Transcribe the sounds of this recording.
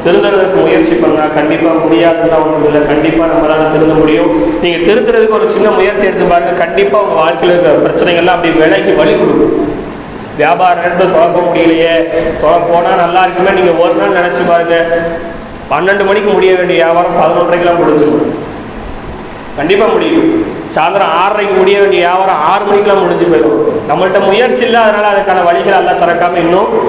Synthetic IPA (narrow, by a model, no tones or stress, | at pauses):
t̪ɪɾɯnd̪ɯɾɐðɯkːɯmʊjɐɾt͡ʃipɐːɾɯŋɡɐnaːkɐɳɖɪpːaːmʊɽɪjaːðɯnːaːʋɐŋɡɐɪlːɐkɐɳɖɪpːaːnɐmːɐlaːnɐt̪ɪɾɯnd̪ɐmʊɽɪjʊ̃niːŋɡɐt̪ɪɾɯnd̪ɯɾɐðɯkːɯɔɾɯt͡ʃɪnːɐmʊjɐɾt͡ʃiɪɛɽɯt̪ːɯpaːɾɯŋɡɐkɐɳɖɪpːaːʋɐŋɡɐʋaːɭkɐɪlɯɯkːɐpɪɾɐt͡ʃːɪnɛɪŋɡɐɭlãːɐpːɐɽɪʋɛɭɐkːiʋɐɭɪkɔɽɯkːɯ̃ | ʋjaːbaːɾɐnɛɾɐt̪ːɯlt̪ɔɽɐɾkːɐmʊɽɪjɪlɐjeːt̪ɔɽɐɾpoːnaːnɐlːaːɪɾɯkːɯmeːniːŋɡɐoːɾɐnaːlnɪnɛt͡ʃːɯpaːɾɯŋɡɐ | pɐnːɛɳɖɯmɐnɪkːɯmʊɽɪjɐʋeːɳɖɪjɐjaːʋaːɾɐ̃saːðɐɾɔ̃ɳɾɐɪkːɐlãːmʊɽɪɲd͡ʒɯnʊ̃ | kɐɳɖɪpːaːmʊɽɪjʊ̃ | saːðɐɾɐ̃aːɾɾɐɪkːɯmʊɽɪjɐʋeːɳɖɪɐjaːʋaːɾɐ̃aːɾɯmɐnɪkːɯlãːmʊɽɪɲd͡ʒɯpeːɾʊ̃nɐmːɐɭɯʈːɐmʊjɐɾt͡ʃɪlːɐɐðɐnaːlɐɐðɐkːaːnɐʋɐɻɪɣɐɭɐlːaːt̪ɔɽɐkːaːmɐɪnːʊ̃